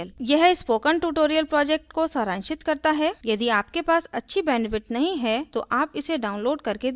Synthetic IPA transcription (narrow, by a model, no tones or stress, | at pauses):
ljɛɦɪspoːkəɳʈuːʈoːɾijəlpɾɔːd͡ʒek̚ʈkosaːɾãːnʃɪt̪kɐɾt̪aɦɛjɐd̪iaːpkepaːsɐtːʃʰibɛːnfɪʈnɐɦĩɦɛt̪oʔaːpɪseɖaːʊ̃nloːɖkɐɾke